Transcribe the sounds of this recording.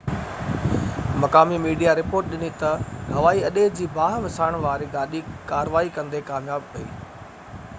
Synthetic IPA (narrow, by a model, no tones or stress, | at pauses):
mɐkaːmimiːɖijaɾɪpoːɾʈ̚ɗɪnit̪ɐɦɐʋaːiɐɗed͡ʑiːbaːɦʋɪsaːɪɽ̃ʋaːɾeɡaːɗikaːɾʋaːikɐ̃nd̪ekaːmjaːb̚kɐiː